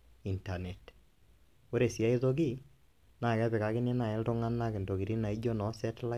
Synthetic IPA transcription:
i˨nta˨nɛ˨t | o˦ɾe˨si˨a˦i˦ðo˦ɡi˦ | na˨kɛ˦βɪ˨ka˨kɪ˦ne˦na˨ɪ˦ldʊ˦ŋa˦nːa˦kɪ˨ndo˨ɡi˨ɾi˦na˨i˦d͡ʒo˦nɔ˨˦sɛ˦tla˦

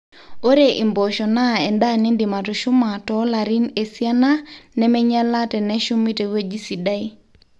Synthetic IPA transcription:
o˦ɾe˦˨ʔi˨mbɔ˨ʃɔ˨na˦ɛ˨nda˦˨ni˦ndɪ˨ma˨tu˨ʃʊ˦ma˨tɔ˦la˨ɾi˦ne˨si˦a˦na˦nɛ˦mɛ˦ɲa˦la˦tɛ˨nɛ˦ʃu˦mi˦tɛ˨we˦d͡ʒi˦si˨da˦i˦

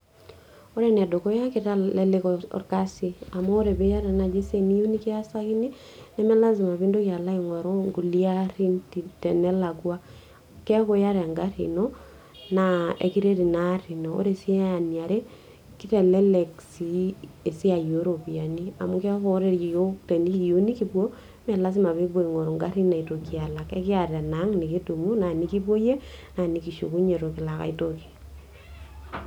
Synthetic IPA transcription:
o˦ɾe˦nɛ˨do˨ko˦ja˦ke˨ta˦lɛ˦le˦kɔɔ̰˨rka˦si˨a˨moː˦ɾe˨be˦ja˦ɾa˨na˨d͡ʒe˦se˨ni˦ju˦ni˦kɪ˦a˦sa˦ki˦ni˦ | nɛ˦mɛ˦la˦zi˨ma˨βi˦ndo˦kja˨la˦iŋwa˨ɾo˦ŋɡu˨lia˦ɾi˦nti˨tɛ˨nɛ˦la˨ɡwa˦ | kɛ˦a˦ko˦ja˦ɾe˨a˨ŋɡa˦ɾḭ˨nɔ˦ | na˨ḛ˨ki˦ɾe˦ɾi˨na˦ɾi˨no˨o̰˦ɾe˦sje˦a˨ni˨a˨ɾe˦ | ki˦tɛ˨le˦le˨ksi˦e˨si˦a˨jo˨˦ɾo˨pi˨a˨ni˦a̰˨mu˦kɛ˦ko˦ɾe˦ɾje˨jo˦kte˨ni˦jo˦ni˦ki˦pwo˦ | mɛ˨la˦s̬i˦ma˨βi˦bo˦i˨ŋo˨ɾo˨ŋɡa˦ɾi˦na˨i˨to˨kia˨la˨kḛ˦kɪ˦a˨ɾe˨na˨˦ŋni˨ki˦tu˨mu˦na˨ni˦ki˦po˦je˦na˨ni˨ki˨ʃo̰˨ku˦ɲe˨ɾo˨kɪ˨la˨ka̰˨i˦toki̥˨

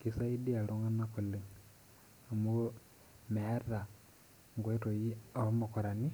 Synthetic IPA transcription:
ki˨sa˦i˦di˦a˨lo˨ŋɡa˦nako˨le˨ | a˨muo˦ | mɛː˨˦ɾa˨ | ŋɡwe˦to˨ji˦a˨˦mo˨ko˨ɾa˨ni˦

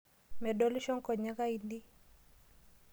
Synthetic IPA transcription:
mɛ˨do˦lʃɔ˦ŋko˨ɲa˦ka˦i˦ndi˦

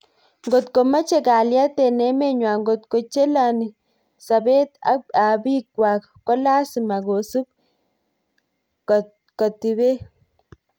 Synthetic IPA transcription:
ŋɡo˨t̪ko˨ma˦t͡ʃe˦ka˨lja˦t̪e˨ne˦me˦ɲwa˨ŋɡo˨t̪ko˨t͡ʃe˦la˨ni˨ | sa˨be˦t̪a̰˦a˨bi˦kwa˨k | kɔ˦la˦si˨ma˨ɡo˨su˦b̚ | kɔ˨tːi˨be˦

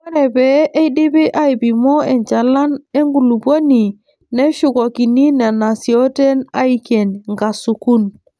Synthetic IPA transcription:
ɛ˦ɾɛ˨bɛ˨˦ʔe˦i˦di˦bi˦ʔa˦i˨bi˨mɔ˦e˨nt͡ʃa˨la˦ne˦ŋɡu˨lu˨bo˦ni˨ | ne˦ʃu˨ko˨ki˨ni˦na˨na˨si˨o˦te˦na˦i˦ke˨nŋɡa˨su˨ku˦n

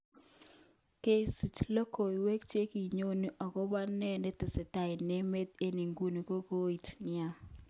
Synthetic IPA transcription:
ke˦si˨t͡ʃlo˦ko˨i˨we˦k̚t͡ʃe˦ki˨ɲo˦ni˨ʔɔ˨kɔ˦ba˦nɛ˦ne˦tɪ˨sɪ˨ta˨ɪ˨ne˦me˦t̪e˦ni˨ŋɡu˦ni˨ko˦ko˦i˨tnɪ˦a˦

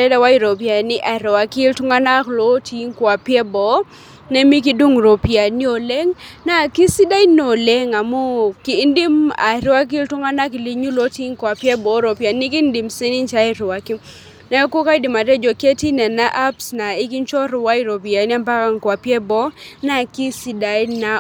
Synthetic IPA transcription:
ɛ˦da˦wa˦i˨ɾo˨pja˨nɪ˦ʔa˨ɾɛ˨wa˨kɪ˦ltʊ˦ŋa˦na˦klo˦tʰi˦ŋkwa˨pjɛ˦bɔ˦ | nɛ˦mi˦k̬i˦du˦ŋɾo˨pi˨a˨ni˦o˨le˦ŋna˨kɪ˦si˦da˦i˦no˨le˦ŋa˨mo˦ki˨˦ndi˦ma̰˨ɾwa˦k̬i˦ltʊ˦ŋa˦na˦k̬i˨li˨ɲu˦lo˦ti˦ŋkwa˨pjɛ˦bɔ˨˦ɾo˨pja˨ni˦ki˦ndi˨mse˦ni˦nt͡ʃa˦i˦ɾwa˨ki˦ | na˦ɔ˦ko˦ka˦i˦di˨ma˨tɛ˦d͡ʒo˨ke˦ti˦nɛ˨na˦ʔa˦psna˨ɪ˦ki˦nt͡ʃɔ˦ɾwa˦i˦ɾo˨pi˨a˨˦n˦a˦mpa˦ka˦ŋkwa˨pjɛ˦bɔ˦na˨ki˦si˨da˨˦na˨

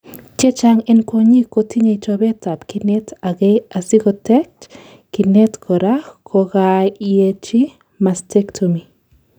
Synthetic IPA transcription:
t͡ʃe˦t͡ʃaŋɛ˦nkwo˧ɲi˦ko˨ti˦ɲe˨it͡ʃobɛ˦ta˨pki˨ne˦ta˨ɡeja˨si˦kotɛ˦t͡ʃ | ki˨nɛ˦tkʰɔ˨ɾakʰo˧ɡajet͡ʃi˦ | ma˨ste˦ktʰomi˨

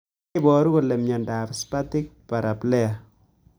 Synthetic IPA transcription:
bɔɾu˦ko˨lɛ˨mɲɛ˨nda˨pspa˦tɪ˦k̚pa˨ɾa˨plɛ˦a

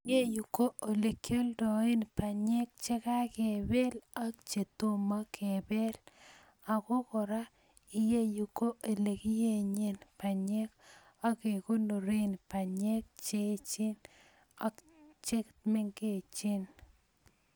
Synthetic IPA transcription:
je˦ju˨ko˦ʔo˨le˨kjo˦ldɔ˨˦ɪ˦npa˨ɲɛ˦k̚t͡ʃɛ˦ka˦ke˨be˦la˦k̚t͡ʃe˨t̪o˦ma˦kʰe˨be˦l | a˨ko˦kɔ˨ɾa˦ | ɪ˨je˦ju˨ko˦ʔe˨le˨ki˦je˦˨ɲe˦npa˨ɲɛ˦k | a˦ke˨ko˦no˨ɾe˦npa˨ɲɛ˦k̚t͡ʃe˦t͡ʃɪ˦n | a˦k | t͡ʃe˦kt̪me˦ŋke˨t͡ʃɪ˦n

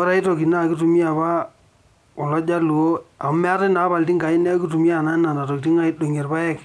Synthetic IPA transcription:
ɔ˦ɾa˨˦i˦to˨ki˨na˦˨ki˦tu˨mi˦a˨ba˦ | ɔ˨lɔ˦d͡ʒa˦lu˨o˦a˨m˦mɛ˦a˦tɪ˦na˨˦ba˨lti˦ŋɡa˨ɪ˦nɛ˦ki˦t̬u˨mi˦a˨na˦na˨na˨to˨k̚ti˦ŋa˦i˦do˨ŋe˨rpa˦ɛ˦˨k

